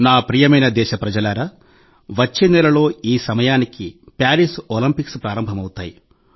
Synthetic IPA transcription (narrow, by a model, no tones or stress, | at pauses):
naːpɾiːjɐmɐjnɐd̪ɛːʃɐpɾɐd͡ʒɐlaːɾɐ | ʋɐt͡ʃːinːɐlɐlo̞ːiːsɐmɐjaːniki | pʲaːɾisoːlimpikspɾaːɾɐmbʱɐmɐwut̪aːji